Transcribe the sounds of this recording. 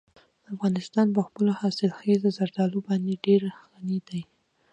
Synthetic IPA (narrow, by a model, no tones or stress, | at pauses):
afɣɑnɪst̪ɑnp̬əxpəlohɑsɪlxezazaɾd̪ɑlobɑnd̪eɖeɾxanid̪aj